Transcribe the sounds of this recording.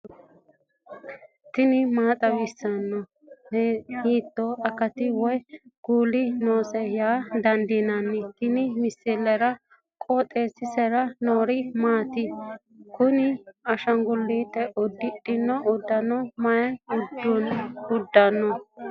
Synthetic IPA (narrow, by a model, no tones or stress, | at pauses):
t̪ɪnɪmaːt̪ʼɐwɪsːɐnːɔ | hhiːt̪ːoʔɐkɐt̪ɪwɔjɡ̥uːlɪnoːsɛjaːd̪ɐnd̪inɐnːɪt̪ɪnɪmɪsːɪlːɛɾɐ | kʼoːt̪ʼe̞ːsːɪsɛɾɐnoːɾɪmaːt̪ɪ | kʊnɪɐʃɐŋɡʊlːiːt̪ʼːɛʔɔd̪ːɪᶑʼɪnːɔʔʊd̪ːɐnɔmɐjɐʊd̪ːunʊd̪ːɐnːɔ